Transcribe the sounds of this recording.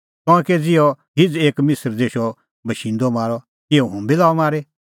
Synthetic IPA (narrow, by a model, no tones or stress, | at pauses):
kɔ̃ːked͡zɪɔ | ɦɪd͡zeːkmɪsəɾd͡zeːʃɔ | bɐʃĩːnd̪ɔmaːɾɔ | ɪɔɦũmbilaːɔmaːɾe